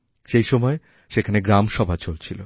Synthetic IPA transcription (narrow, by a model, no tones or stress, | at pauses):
ʃejʃɔmɔe | ʃekʰaneɡɾamʃɔbʱat͡ɕolt͡ɕʰilo